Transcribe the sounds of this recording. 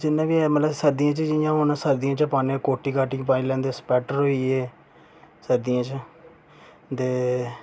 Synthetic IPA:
d͡ʒɪnːãːʋiːɛmələbsəɾd̪ɪjãːt͡ʃəd͡ʒɪjãːɦonãsəɾd̪ɪjãːt͡ʃəpaːnĩːkoːʈːiːkaːʈiːkp̬aːĩlɛ̃ːnd̪eːspɛːʈəɾɦoːiːɛː | səɾd̪ijãːt͡ʃ | t̪eː

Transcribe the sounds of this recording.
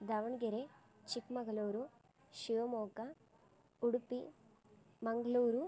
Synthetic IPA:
d̪ɐʋɐɳɡeɾe | t͡ʃikmɐɡɐluːɾu | ʃiʋɐmoːkɐ | uɽupːi | mɐŋɡɐluːɾu

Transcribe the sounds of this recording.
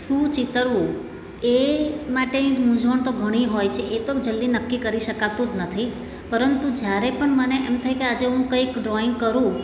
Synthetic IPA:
sũt͡ʃɪt̪əɾʋũ | emaʈenimũd͡ʒʋəɳt̪oɡʱəɽ̃iɦojt͡ʃʰeʔet̪od͡ʒəld̪inəkːikəɾiʃəkat̪ũd͡ʒ̪nət̪ʰi | pəɾənt̪ud͡ʒjaɾepəɳməneemt̪ʰəjkead͡ʒeɦũkəikɖɾɔɪŋɡ̚kəɾũ

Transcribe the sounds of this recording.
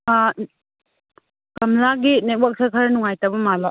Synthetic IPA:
kɐmlaɡinek̚wak̚sakʰɐɾɐnuŋajtabɐmala

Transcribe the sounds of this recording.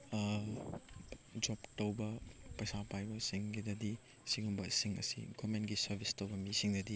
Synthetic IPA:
d͡ʒoptɐwbɐpɐjsapʰajbɐsiŋɡidɐdi | siŋubɐsiŋɐ̰sḭɡomentɡisɐɾbʱistɐwbɐmisiŋdɐdi

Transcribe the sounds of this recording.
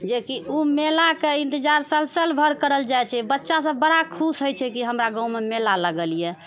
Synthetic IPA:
d͡ʒekiumelakeĩnt̪id͡ʒaɾsəlsəlbʱəɾkəɾəld͡ʒajt͡ʃʰɛbətːʃas̬ə̃bəɽakʰusɦojt͡ʃʰɛkiɦəmɾaɡãũmemelaləɡəlijɛ

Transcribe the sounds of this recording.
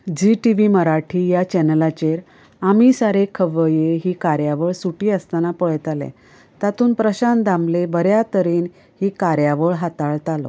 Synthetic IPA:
d͡ʑiʈiʋiməɾaʈʰiːjat͡ɕɛnəlat͡ɕeɾ | amisaɾekʰəʋəjeɦiːkaɾjaʋəɭsuʈiəst̪anapɔɭjt̪alɛ̰̃ | t̪at̪uːnpɾəɕand̪amlebəɾjat̪əɾiːn | ɦiːkaɾjaʋəɭɦat̪aɭt̪alo̰

